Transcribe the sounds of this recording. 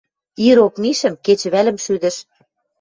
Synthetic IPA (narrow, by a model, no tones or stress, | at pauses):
iɾokmiʃə̆mket͡ɕβælə̆mʃyd̪ɘ̆ʃ